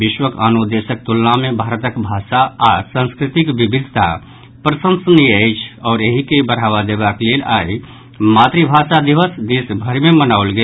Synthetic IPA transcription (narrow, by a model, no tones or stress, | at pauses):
ʋɪʃwəkanod̪eːʃək̚t̪ulnamẽbʱaːɾət̪əkbʱaːʃaasə̃nskɾɪt̪ɪkʋibɪd̪ʱt̪a̰ | pɾəsə̃nsniəɪt͡ʃʰɔːɾeɦikebəɾ̤aːʋad̪eːbakleːla̰ːi | maːt̪ɾibʱaːʃad̪iʋəsd̪iːsbʱəɾimẽmənaolɡɛ